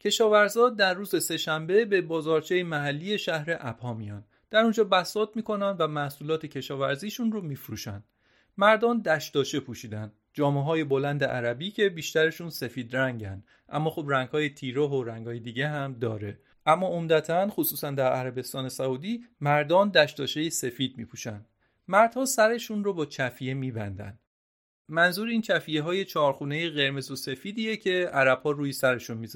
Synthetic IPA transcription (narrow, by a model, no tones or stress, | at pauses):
cʰe̞ʃɒːvæɾzɒːd̪æɾːuːze̞se̞ʃæmbe̞be̞bɒːzɒːɾt͡ʃʰejemæɦælːiːje̞ʃæhɾe̞ʔæb̥hɒːmijɒːn | d̪̥æɾund͡ʒɒːbæsɒːt̪miːkʰo̞nænd̪væmæhsuːlɒːt̪ʰe̞cʰe̞ʃɒːvæɾziːʃunromiːfɾṵːʃænd̪̥ | mæɾd̪ɒːnd̪æʃt̪ɒːt͡ʃʰe̞pʰuːʃiːd̪ænd̪ | d͡ʒɒːmeɦɒːje̞bo̞lænd̪eʔæɾæbiːcʰe̞biːʃt̪æɾeʃunse̞fiːd̪ɾæŋɟæ̰nd̪ | ʔæ̰mːɒːxobræŋɡhɒːjet̪ʰiːɾoɦoɾæŋɡhɒːjed̪iːɟeɦæmd̪ɒːɾe̞ | ʔæmːɒːomd̪æt̪ʰænxosuːsænd̪æɾʔæɾæbe̞st̪ɒːne̞sæuːd̪iːmæɾd̪ɒːnd̪æʃt̪ɒːʃeje̞se̞fiːd̪̚mḭːpʰuʃænd̪ | mæɾd̪̥hɒːsæɾe̞ʃunrobɒːt͡ʃʰæfijemiːbænd̪æ̰nd̪ | mænzuːɾiːnt͡ʃʰæfijeɦɒːje̞t͡ʃʰɒːɾxuːnejeɣe̞ɾme̞zose̞fiːd̪iːjecʰe̞æɾæb̥hɒːɾuːjisæɾe̞ʃunmiz